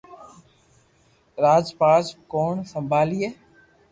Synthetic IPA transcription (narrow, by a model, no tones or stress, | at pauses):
ɾaːzpaːzkoːnsəmbʱaːliːeː